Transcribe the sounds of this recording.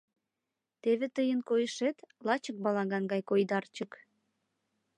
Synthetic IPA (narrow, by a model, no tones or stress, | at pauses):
t̪eβet̪əjənkojəʃet̪lɑt͡ɕək̚bɑlɑɣɑnɡɑjkojd̪ɑrt͡ɕək